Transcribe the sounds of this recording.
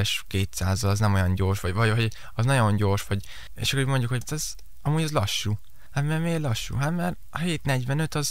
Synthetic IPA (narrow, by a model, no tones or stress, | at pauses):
ɛʃkeːt̪saːzɒlɒznɛmo̞jɒɲɟo̞rʃʋɒvɒɟɦoɟ | ɒznɒɟo̞nɟo̞rʃʋɒɟ | ḛʃɒkoɟmo̞ɲɟukhoɟt̪ɛz | ɒmuːɟɒzlɒʃːuː | hat̪mɛrmeːlɒʃːṵɦat̪mɛr | ɒheːt̪nɛɟvɛnø̞t̪ɒz